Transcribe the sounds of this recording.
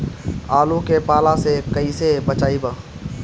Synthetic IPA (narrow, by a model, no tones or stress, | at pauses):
aːlũkepaːlasekəisebət͡ʃaːibə